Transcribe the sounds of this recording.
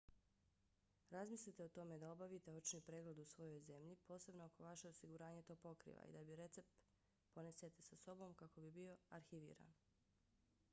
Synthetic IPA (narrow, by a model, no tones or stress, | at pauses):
ɾazmislʲit̪e̞o̞t̪o̞me̞d̪ao̞baʋit̪e̞ot͡ʃnipɾeːɡled̪usʋo̞jo̞jze̞mʎipo̞ːse̞bnooko̞ʋaʃe̞osiɡuɾaːɲet̪o̞ːpo̞kɾḭːʋa̰ḭd̪abiɾe̞t̪se̞p̚t̪ | po̞neset̪esaso̞bo̞mkako̞bibio̞aɾxiʋḭːɾa̰n